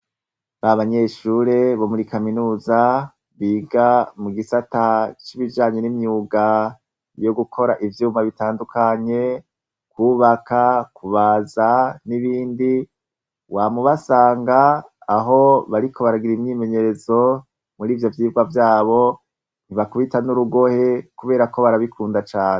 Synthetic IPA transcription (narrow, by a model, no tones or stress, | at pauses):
βaβaɲe̞ʃuːɾe̞βo̞muɾikaminuːza | βiːɡamuɡisatat͡ʃiβid͡ʒaːɲe̞nimɲuːɡa | jo̞ɡukʰo̞ɾaʔivjuːmaβitaːndukʰaɲe̞ | kwuːβakakuβaːzaniβiːndi | wamuβasaːŋɡaːɦo̞βaɾikʰo̞βaɾaɡiɾimɲiːme̞ɲe̞ɾe̞zo̞ | muɾiːvjo̞vjiːvɡwavjaːβo̞ | n̥iβakuβitanuɾuɡo̞he̞kuβe̞ːɾako̞βaɾaβikʰuːndat͡ʃaːne